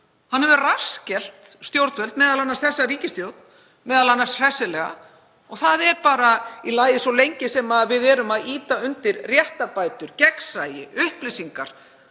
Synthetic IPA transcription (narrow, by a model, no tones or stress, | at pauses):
hanhɛvʏrascɛl̥t̪ | st̪jowɾt̪vɛlt̪mɛːðalanːasθɛsːariːcɪst̪jowt̪n̥ | mɛːðalanːasr̥ɛsːɪlɛɣa̰ | ɔɣθaðɛɾpaːɾailaːjðɪsɔlejɲcɪsɛmaðvɪðɛɾʏmaðiːt̪aʏnt̪ɪɾrjɛht̪apaːjt̪ʏɾ̥cɛksaːjɪʔʏhplɪsiŋkaɾ̥